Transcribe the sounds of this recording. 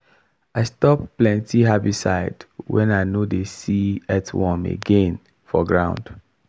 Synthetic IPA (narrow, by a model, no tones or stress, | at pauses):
aɪstɔpːlɛ̃ntiɦabisaɪdwɛ̰̃naɪnodesiɛtwɔ̃mḛɡẽn | fɔɡɹãʊ̃nd̥